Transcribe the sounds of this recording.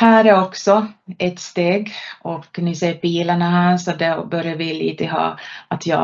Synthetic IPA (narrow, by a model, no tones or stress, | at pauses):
hæːɾæɔksɔɛt̪st̪eːɡɔkːnɪseːpiːlaɳaɦæːɾʂɔɔt̪̚d̪ɛbœɾjavɪlḭːt̪əɦɑ̰ːat̪ʰjɑ̰ː